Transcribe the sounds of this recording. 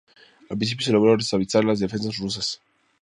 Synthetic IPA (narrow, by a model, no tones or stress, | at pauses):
apɾĩnsipjos̬eloɣɾaarest̪aβilsaɾelazðefens̬asrus̬as